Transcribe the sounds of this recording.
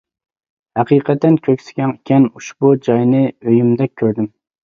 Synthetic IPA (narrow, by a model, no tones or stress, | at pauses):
hæqiːqʰɛt̪ːɛnkʲʰøkʲsɪ̥ɡʲɛnkʲʰɛnuʃbud͡ʒɑjnɨøjymd̪ɛk̚ʲʰːøɾd̪ɪm